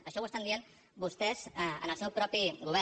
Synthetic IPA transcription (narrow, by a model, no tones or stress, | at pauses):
əʃɔwəst̪and̪ien | bust̪ɛzə̰nəlˠsɛwpɾɔpiɣuβɛ